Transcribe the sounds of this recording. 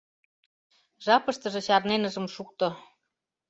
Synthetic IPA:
ʒɑpɤ̆ʃt̪ɤ̆ʒɤ̆ɕɑrnenə̆ʒə̆mʃuk̚t̪ŏ

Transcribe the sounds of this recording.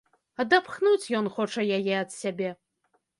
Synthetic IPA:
ɐd̪apxnut͡sʲjɔnxɔt͡ʂɐjajɛɐt̪sʲabʲɛ

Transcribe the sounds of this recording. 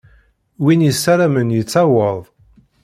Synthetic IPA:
winjəsaɾamənjət͡sːawəðˤ

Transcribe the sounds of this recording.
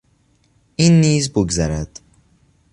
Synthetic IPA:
ʔiːnːiːzboɡzæɾæd̪̥

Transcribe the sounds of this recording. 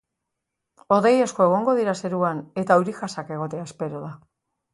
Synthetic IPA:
o̞ðe̞jesko̞e̞ɣ̞o̞ŋɡo̞ð̞iɾase̞ɾuane̞t̪auɾixasake̞ɣ̞o̞t̪e̞aespe̞ɾo̞ð̞a

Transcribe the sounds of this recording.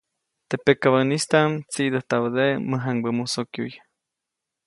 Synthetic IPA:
t̪epekaβanist̪amt͡sid̪əht̪aβd̪eməɦaŋbəmusokjṵj

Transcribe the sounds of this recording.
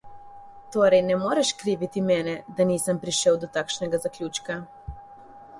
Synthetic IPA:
t̪oːɾɛjnɛmoːɾɛʃkɾiːʋit̪imɛnɛd̪aniːsampɾiʃɛwd̪ot̪akʃneɡazakʎʲuːt͡ʃka

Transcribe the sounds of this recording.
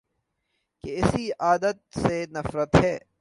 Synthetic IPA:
keɪsiaːd̪ət̪̚senɐfɾət̪ɦɛː

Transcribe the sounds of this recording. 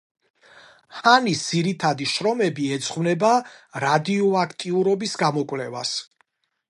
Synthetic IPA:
hanisd̪z̥iɾit̪ʰad̪iʃɾɔmɛbiɛt̪sʰʼχvnɛbaɾad̪iɔakʰt̪ʼiuɾɔbisɡamɔkʼvlɛva̰s

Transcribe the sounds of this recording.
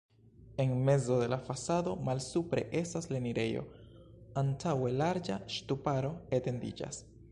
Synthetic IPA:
e̞nme̞zo̞de̞lafasado̞malsupɾe̞̰ʔe̞stasle̞niɾe̞jo̞̰ | antʰawe̞laɾd͡ʒaʃtupaɾo̞ete̞ndḭd͡ʒa̰s

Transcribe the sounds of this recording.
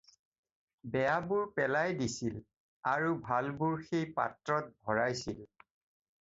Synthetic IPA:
bɛjabʊɹpɛlajdisil | aɹubʱalbʊɹxejpa̰tɹɔt̚bʱɔɹajsil

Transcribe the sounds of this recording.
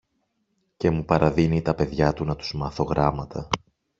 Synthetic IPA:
ce̞mupɐɾɐðinit̪ɐpe̞ðʝɐt̪unɐt̪u̥zmɐθo̞ɣɾɐmɐt̪ʰɐ

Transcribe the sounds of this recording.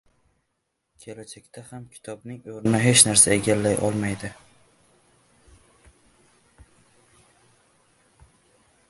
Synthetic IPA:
kʲʰelat͡ʃʰekʲt̪ʰahamkʲʰɪ̥t̪ʰɒbnɪŋoɾɪnɪɦe̞t͡ʃnaɾsae̞ɡʲalːajʔɒ̰lˠmajd̪ɪ

